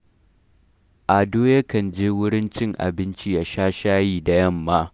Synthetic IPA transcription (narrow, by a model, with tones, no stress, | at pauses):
ʔa˨doː˦jɐ˦kɐ˨nd͡ʒeː˦wʊ˦ɽɪ˦nt͡ʃɪ˦ŋʔa̰˨bɪ˦nt͡ʃi˦ja˦ʃaː˦ʃaː˦jiː˦da˨jɐ˦˨mːaː˦